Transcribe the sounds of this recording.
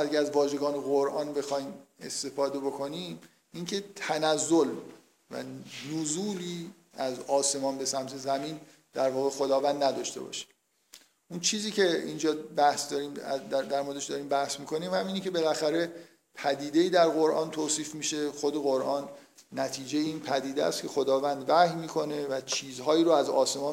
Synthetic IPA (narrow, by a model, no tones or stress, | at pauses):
æɾkæzvɒːʒe̞ɡɒːneɣoɾʔɒːnbe̞xɒːjme̞̰st̪e̞fɒːd̪e̞bo̞kʰo̞niːm | iːncʰe̞t̪ʰænæzːol | væ̰nozuːliː | æzɒːse̞mɒːnbe̞sæmt̪ʰe̞zæmiːn | d̪̥æɾvɒːɣe̞xod̪ɒːvænd̪næd̪ɒʃt̪e̞̰bɒ̰ːʃi̥ | ʔunt͡ʃʰiːziːcʰe̞ind͡ʒɒːbæhsd̪ɒːɾiːmd̪æd̪æɾmod̪eʃd̪ɒːɾiːmbæhsmiːkʰo̞niːmhæmiːnecʲʰe̞be̞læxæɾe̞ | pʰæd̪iːd̪eiːd̪æɾɣoɾʔɒːnt̪ʰoːsiːfmiːʃe̞xod̪e̞ɣoɾʔɒːnː | æt̪ʰiːd͡ʒejeiːnpʰæd̪iːd̪ḛæ̰st̪̚cʰe̞xod̪ɒːvænd̪væhjmiːkʰo̞ne̞væt͡ʃʰiːzɦɒːjiːɾoæzɒ̰ːse̞mɒːn